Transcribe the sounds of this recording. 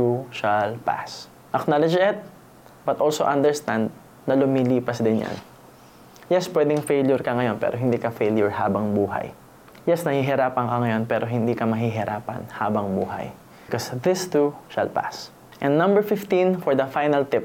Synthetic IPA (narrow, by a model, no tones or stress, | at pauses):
uʃalpa̰s | ʔɐknalɪd͡ʒɪt̪̚ | bɐt̪ʔolsoʔɐ̃nd̪ɛɹst̪ãnd̪̚ | nɐlʊmiliːpɐsd̪ɪnja̰n | jɛspwɛd̪ɪŋfejljʊɹkɐŋɐjo̞npɛ̰ːɾʔoɦɪnd̪iːkɐfejljʊɹhaːbɐŋbuːɦɐ̰j | jɛsnɐhiɦɪɾaːpɐŋkɐŋɐjo̞npɛːɾʔoɦɪnd̪iːkɐmɐɦiɦɪɾʔaːpɐ̰nhaːbɐŋbṵːɦɐ̰j | kosðɪst̪uʃɐ̰lpa̰s | ʔɛ̃nd̪nɐ̃mbɛɹfɪft̪ĩnfɔɹd̪ɐfajnɐlt̪ɪp̚